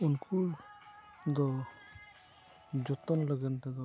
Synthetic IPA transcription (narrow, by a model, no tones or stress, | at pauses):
unkʰu | d̪ɔ | d͡ʒɔt̪ɔnlɔɡɛnt̪aɡɔ